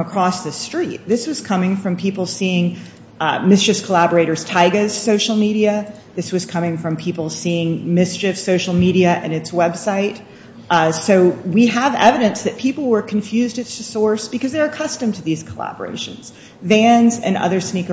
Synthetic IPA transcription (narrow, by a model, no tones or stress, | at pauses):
əkʰɹ̥ɔsðɨstɹ̥it̪̚ðɪswʌz̥kʰʌmɪ̃ŋfɹʌ̃mpʰipl̩ˠsiɪ̃ŋ | mɪst͡ʃɨfkʰəlæbə˞eɪɾə˞z̥tʰaɪɡɨz̥soʊʃl̩ˠmiɾiɨ | ðɪswʌz̥kʰʌmɪ̃ŋfɹʌ̃mpʰipl̩ˠsiɪ̃ŋmɪst͡ʃɨfsoʊʃl̩ˠmiɾiɨʔɨ̰̃nɨtswɛb̥saɪt̚ | soʊwiəvɛ̰vɨɾɨ̃nsðɨt̚pʰipl̩ˠwə˞kʰɨ̃ɱfjʉzdɨz̥tʰɨsɔɹsb̥ɨkʌzðə˞ɨkʰʌstɨ̃mtʰɨðiz̥kʰəlæ̰bə̰˞ḛɪʃɨ̰̃nz̥ | væ̃nzɨ̰̃nʌ̰ðə˞snik